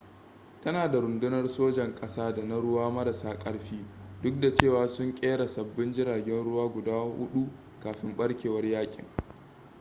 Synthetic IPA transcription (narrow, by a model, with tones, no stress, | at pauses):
tɐ˦naː˨da˨ɾʊ˨ndʊ˦nɐ˦rsoː˦d͡ʒɐ˨ŋkʼɐ˦saː˦da˨na˦ɽʊ˦waː˦mɐ˦ɾɐ˨saː˦kʼɐ˦ɽɸiː˦dʊ˦k̚da˨t͡ʃeː˦˨waː˨sʊ˦ŋkʲʼeː˦ɽa˨sɐ˨bːɪ˦nd͡ʒɪ˦ɽaː˨ɡʲɛ˦nɽʊ˦waː˦ɡʷʊ˨daː˦hʊ˦ɗu˦ | kaː˨ɸɪ˦mɓɐ˦ɽkʲeː˨wɐ˦rjaː˦kʲʼɪ̰˨ŋ